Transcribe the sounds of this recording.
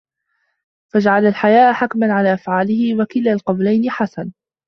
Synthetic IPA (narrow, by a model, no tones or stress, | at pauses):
fad͡ʒaʕalalħajaːʔħakmanʕalaːʔafʕaːlɪhɪwakɪlaːlqɑwlajnɪħasan